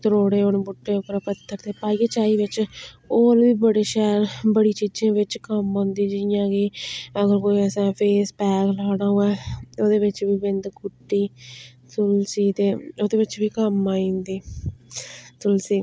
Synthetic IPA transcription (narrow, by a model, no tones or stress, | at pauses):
t̪əɾoːɽeːonbʊʈːeːʊpːəɾaːpət̪ʰːəɾt̪eːpaːiːet͡ʃaːiːʋɪt͡ʃ | oːlʋiːbəɽeːʃɛːɾbəɽiːt͡ʃiːd͡ʒẽːʋɪt͡ʃkəmõːnd̪iːd͡ʒɪjãːkiəɡəɾkoːiːəsɛ̃ːpʰeːspɛːɡlaːɽaːõːɛːoːd̪eːʋɪt͡ʃʋiːbɪnd̪kʊʈːiː | t̪ʊlsiːt̪eːoːd̪eːʋɪt͡ʃʋiːkəmaːĩːnd̪iː | t̪ʊlsiː